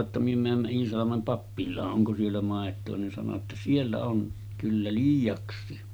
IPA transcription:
tːɑ myø mæːmːæ iːsɑlɑmem pɑpːilˑɑːʔ ʔoŋko sielːæ mɑˑetˑoː nin sɑno tːɑ sielːæ on kylːæ liːjˑɑksˑiː

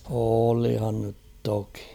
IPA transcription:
oːlihɑn nyt toki

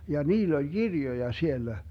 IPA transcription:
jɑ niːlː olʲ ɡ̊irjojɑ sielːæ

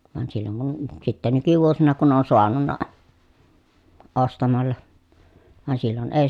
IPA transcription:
ʋɑn silːoŋ kun sitːe nykyʋuosinɑ kun on soɑnunːɑ ostɑmɑlːɑ ʋɑn silːon eˑi

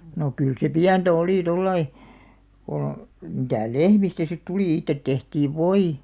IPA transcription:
no kyl se piæntæ oli tolːɑi ko mitæˑ lehmistæ sit tuli itːet tehtiːʋ ʋoi

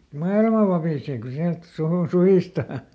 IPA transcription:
mɑilmɑ ʋɑpiˑseː ku siælt suhun suhiˑstɑː

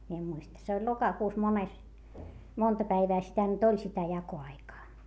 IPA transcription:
mie em muistɑ se olʲ lokɑkuːs mones montɑ pæiʋæː sitæ nyt olʲ sitæ jɑkoɑikɑː

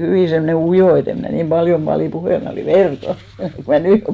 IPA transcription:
hyʋiˑ semːŏne ujoˑ et em mnæ niːm b̥ɑljom b̥ɑliˑ puheˑl mæ oliˑ ʋerkɑ ku mæ nyˑ jo

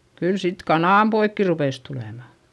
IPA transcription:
kyl sit kɑnɑˑmpoikːi rupeˑs tuleˑmɑ

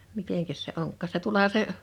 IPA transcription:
miteŋkæs se oŋkːɑˑs se tuolɑhɑ se

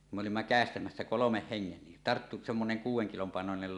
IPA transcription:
kum me olimːɑ kæˑestæmæsːæ kolomeh heŋːen ni tɑrtːu semːoneŋ kuːwˑeŋ kilom pɑˑenonel

